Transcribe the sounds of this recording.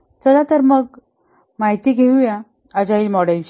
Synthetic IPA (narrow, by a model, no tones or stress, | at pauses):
təd̪at̪əɾməɡ̚ | maɦit̪iːɡʱeujã | əd͡ʑailmɔɽelt͡ɕi